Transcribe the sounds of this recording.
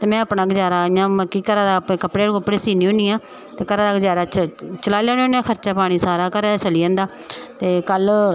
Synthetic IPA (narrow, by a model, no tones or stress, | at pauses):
t̪eːmɛ̃ːaːpnaːɡd͡ʒaːɾaːɪjãːməkiːkəɾaːd̪aːpẽːkəpɽeːɽkəpːɽeːsiːniːõːniːãː | t̪eːkəɾaːd̪aːɡəd͡ʒaːɾaːt͡ʃt͡ʃəlaːljaːnoːneãːkʰəɾt͡ʃaːpaːɽ̃iːsaːɾaːkəɾeːt͡ʃəliːãːnd̪aː | t̪eːkəl